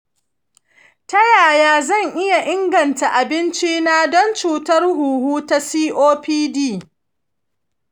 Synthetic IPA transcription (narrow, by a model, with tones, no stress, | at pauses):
tɐ˦jaː˨jaː˦zɐ˦˨ŋʔɪ˦ja˨ʔɪ˦ŋɡɐ˨nta˨ʔa˨bɪ˦nt͡ʃi˦naː˦dɔ˦nt͡ʃuː˨tɐ˦rɦuː˨huː˦ta˦siː˦ʔoː˦piː˦diː˦˨